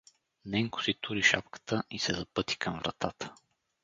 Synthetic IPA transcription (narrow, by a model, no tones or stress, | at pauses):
nɛŋkʊ̥sit̪uɾiʃa̰pkə̥t̪əʔisɛzɐpɤt̪i̥kʰəmvɾɐ̰t̪at̪ə̥